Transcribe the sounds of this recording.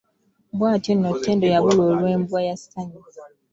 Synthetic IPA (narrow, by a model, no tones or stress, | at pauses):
bwaːtinːotːeːndojaβulwoːlwe̞ːmbwajasi̥taɲi